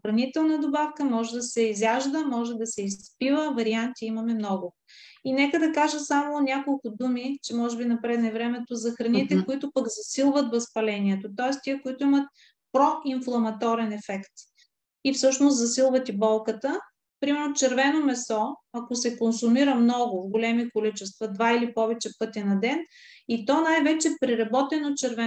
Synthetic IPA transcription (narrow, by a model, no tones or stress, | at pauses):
xɾɐnit̪ɛlˠnəd̪obafkəmɔʒɛd̪ɐsɛizʲaʒd̪əmɔʒɛd̪ɐsɛispivəvɐɾiant̪iimɐmɛmnɔɡʊ | inɛkəd̪ɐkaʒəsamoːnʲakolˠkʊd̪umit͡ʃɛmɔʒɛbinɐpɾɛd̪nɛvɾɛmɛt̪ozɐxɾɐnit̪ɛkoit̪ʊpəɡzɐsilˠvət̪vɐspɐlɛniɛt̪ot̪ɔɛst̪iəkoit̪ʊimət̪̚ | pɾɔiɱflˠɐmɐt̪ɔɾɛnɛfɛkt̪ | ifsɤʃnost̪zɐsilˠvət̪ibɔlˠkət̪ə | pɾimɛɾnot͡ʃɛɾvɛnomɛsɔɐkosɛkonsumiɾəmnɔɡʊvɡolɛmikolit͡ʃɛst̪vɐd̪vailipɔvɛt͡ʃɛpɤt̪inɐd̪ɛnit̪ɔnajvɛt͡ʃɛpɾiɾɐbɔt̪ɛnot͡ʃɛɾvɛ